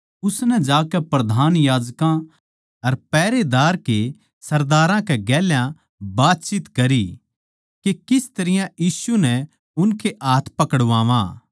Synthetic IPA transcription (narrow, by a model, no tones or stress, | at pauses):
ʊsnɛd͡ʒaːkɛpɾɐd̪ʱaːnjaːd͡ʒkã | ɐɾpɛːɾed̪aːɾke | sɐɾd̪aːɾãkɛɡɛːljã | baːt̪̚t͡ʃit̪kɐɾi | kekɪst̪ɐɾɪjãjiːsunɛ | ʊnkʰeʔaːt̪ʰpɐkəɽʋaːʋã̰